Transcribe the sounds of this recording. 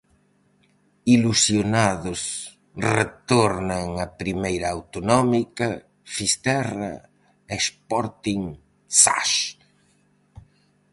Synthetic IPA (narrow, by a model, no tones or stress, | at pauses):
ilusjonaðʊs | ret̪ɔɾnɐŋɐpɾimejɾɐawt̪onɔmikɐ | fist̪ɛrɐ̰ | espɔɾt̪iŋ | sa̰ʃ